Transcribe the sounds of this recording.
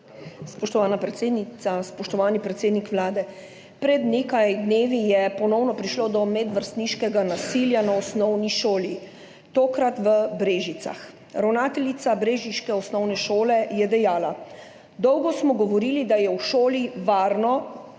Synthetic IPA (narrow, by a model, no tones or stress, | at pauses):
spɔʃt̪ɔʋaːnapɾɛt̪seːd̪niaspɔʃt̪ɔʋaːnipɾɛt̪seːd̪nikʋlaːd̪ɛ | pɾɛd̪neːkajd̪neːʋijɛpɔnɔwnɔpɾiʃlod̪ɔmɛd̪ʋəɾst̪niʃkɛɡanasiljanaɔsnɔwniʃoːli | t̪oːkɾat̪ʋəbɾeːʒit̪sa̰x | ɾawnaːt̪ɛlit̪sabɾeːʒiʃkɛɔsnɔwnɛʃoːlɛjɛd̪ɛjaːla | d̪ɔwɡɔsmɔɡɔʋɔɾiːlid̪ajɛwʃoːliʋaːɾnɔ